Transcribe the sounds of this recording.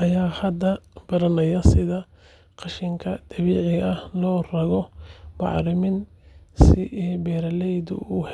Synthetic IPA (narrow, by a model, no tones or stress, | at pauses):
ʔɐjaːhɐd̪ːɐb̥ɐɾɐnɐjɐsɪðɐ | qɑʃɪŋkʰɐd̪̥ɐβiːʕɪɣɐhlɔːrɐɣɔbɑ̰ʕɾɪmɪn | sɪʔɛbɛːɾɐlɛjd̪ʊ̰uh